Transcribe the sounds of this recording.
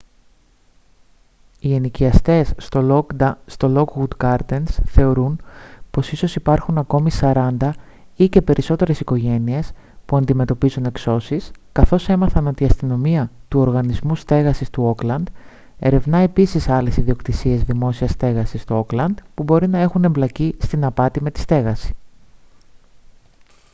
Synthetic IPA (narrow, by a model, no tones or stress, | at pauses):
ieniciɐst̪e̞s | st̪o̞lo̞kɣud̪ɡɐɾt̪ensθe̞o̞ɾunpo̞siso̞sipɐɾxunɐko̞misɐɾɐnd̪ɐ | ice̞pe̞ɾʔiso̞t̪e̞ɾe̞siko̞ʝe̞nie̞s | puɐnd̪ime̞t̪o̞pizune̞kso̞siskɐθo̞se̞mɐθɐno̞t̪iɐst̪ino̞miɐt̪uo̞ɾɣɐnizmust̪e̞ɣɐsist̪uo̞klɐnd̪̥ | e̞̰ɾe̞vnɐe̞pisisɐle̞siðio̞kt̪isie̞zðimo̞siɐst̪e̞ɣɐsist̪uo̞klɐnd̪pubo̞ɾinɐe̞xune̞mblɐcist̪inɐpɐt̪ime̞t̪i̥st̪e̞ɣɐsi̥